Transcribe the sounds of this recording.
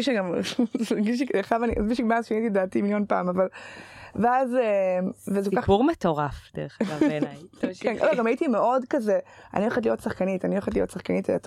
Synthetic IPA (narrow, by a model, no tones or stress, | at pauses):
miʃeɡam | ɡiʃ̬ikːχʃavaniʔazmiʃemaʃiitidaːtimiljonpaːmavalveazemvezekkaχuʁmet̪oʁafd̥eʁea | kɛnɡloɡamajitimeʔo̞dkazea̰nioχatlijotsaχkanitanioχatlijotsaχkanitvḛat